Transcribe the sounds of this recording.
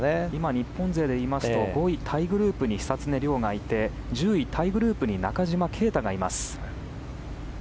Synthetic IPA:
imaɲ̟ipːõ̞nd͡ze̞ːd̪e̞iːmasɨ̥t̪o̞ɡo̞it̪ʰaiɡɯ̟ɾɯ̟ːpɯ̟ɲ̟içi̥sat͡sɨne̞ɾʲjo̞ːɡait̪e̞ | d͡ʑɨːit̪ʰaiɡɯ̟ɾɯ̟ːpɯ̟ɲ̟ina̰kaʑimakʰe̞ːt̪aɡaima̰sɨ̥

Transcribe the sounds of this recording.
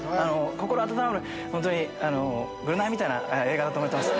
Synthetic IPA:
ano̞ko̞ko̞ɾoat̪̬at̪aɾabɯɾɯ | hõnt̪̬oɲ̟iano | ɡɯɾɯnaimʲit̪aina̰eeːɡad̪at̪oːmot̪emasɨ

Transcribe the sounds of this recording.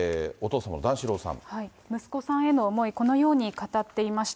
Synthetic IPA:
o̞t̪o̞ːsama̰nd̪ãɰ̃ɕiɾo̞ːsã̰ɴhai | mɯ̟sɨ̥ko̞sãɰ̃e̞no̞ːmo̞iko̞no̞jo̞ːɲ̟ikat̪at̪ːe̞imaɕi̥t̪

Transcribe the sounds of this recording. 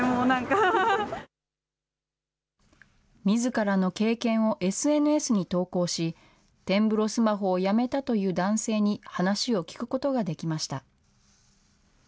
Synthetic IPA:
monãŋka | mʲizɨkaɾano̞ke̞ːkẽ̞ɰ̃o̞ʔe̞sɨe̞nɯ̟e̞sɨɲ̟it̪o̞ːko̞ːɕi | t̪ẽ̞mbɯ̟ɾo̞sɨmaɦo̞ːjame̞t̪at̪o̞jɯ̟ːd̪ãɰ̃se̞ːɲ̟ihanaɕio̞kʲi̥kɯ̟̥ko̞t̪o̞ɡad̪e̞kʲimaɕi̥t̪a

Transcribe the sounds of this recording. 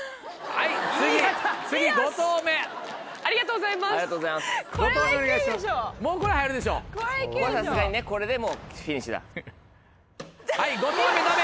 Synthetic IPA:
hait͡sɨɡit͡sɨɡʲiɡot̪oːme̞ | aɾʲiɡat̪oːɡozaimasɾiɣat̪oɡozaimasot̪ooneɡaiɕimaomoːko̞ɾe̞hajaɾɯ̟d̪e̞ɕ̬o̞̰ːkkosasɨɡaɲine̞ko̞ɾe̞d̪e̞mo̞kʲiɲ̟ĩɕid̪a̰ | haiɡo̞t̪oːmet̪ame

